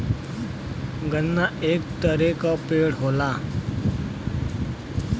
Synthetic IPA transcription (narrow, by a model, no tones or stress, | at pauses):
ɡənːaʔeːk̚t̪əɾekapeːɽɦoːlaː